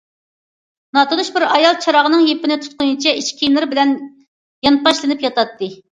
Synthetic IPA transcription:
nɑt̪ɨnuʃbɪɾɑjɑlˠt͡ʃʰɑɾɑʁənɨŋjepɪnɪt̪ʰu̥t̪̚qʊjunt͡ʃʰɛiʃkʲʰinɨɾbɪlɛn | jɑnpɑʃlˠɨnɨpjɑt̪ɑt̪ːɨ

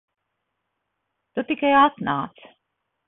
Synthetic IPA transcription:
t̪ut̪ikajat̪na̰ːt̪s

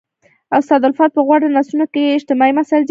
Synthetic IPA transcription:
awst̪ɑd̪alfɑt̪̚pəɣwaɽanɑsunokeeɪʃt̪ɪmɑimasald̪

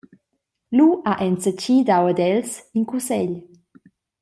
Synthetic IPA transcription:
luʔaʔɛnt͡sət͡ɕid̪awəd̪ɛlsiŋkusɛʎ

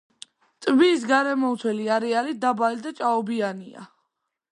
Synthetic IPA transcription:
t̪ʼvis̬ɡaɾɛmɔt̪sʰwɛliaɾɛaɾid̪abalid̪at͡ʃʼaɔbiania̰

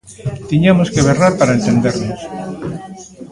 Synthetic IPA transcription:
t̪iɲamoskeβeraɾpaɾaent̪end̪eɾnos

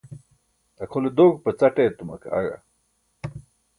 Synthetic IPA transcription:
ɐkʰoled̪oːk̚pət͡sɐʈet̪umɐ̰ka̰ɻa̰

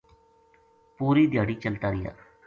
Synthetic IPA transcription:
puːɾiːd̪jaːɽiːt͡ʃəlt̪aːɾɪja̰ː

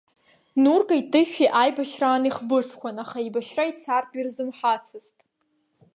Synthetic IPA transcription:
nurkʼaitʼɨʃᶣiʔajbaʃraːniχbɨʂkʷʰanaχaibaʃrait͡sʰartʼirzɨmħat͡sʰɨztʼ

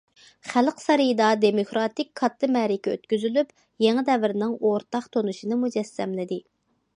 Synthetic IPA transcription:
χælqsɑɾɨjd̪ɑd̪emokɾɑt̪ɪkʲkʰːɑt̪ːɨmɛɾɪkʲɛø̰t̪kʲyzylyp | jeŋɨd̪ɛvɪɾɪnɪŋoɾt̪ɑχt̪ʰonuʃinɨmud͡ʒɛsːɛmlɪd̪ɪ

